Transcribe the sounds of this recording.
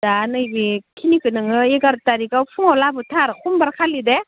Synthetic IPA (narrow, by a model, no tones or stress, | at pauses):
danɯjbikʰinikɯnɯŋɯeɡaɾtaɾikawpʰuŋawlabɯtʰaɾkʰumbaɾkʰalide